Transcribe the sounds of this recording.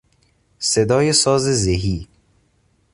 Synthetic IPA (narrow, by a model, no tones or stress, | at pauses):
sed̪ɒːjesɒːzezeɦiː